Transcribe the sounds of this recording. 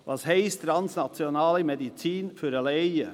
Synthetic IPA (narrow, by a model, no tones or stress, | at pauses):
ʔɑsheɪst̪ʰɾɑnsnɑt̪ɪʊnɑːlimɛd̪ɪsiːnfʉɾɑleɪə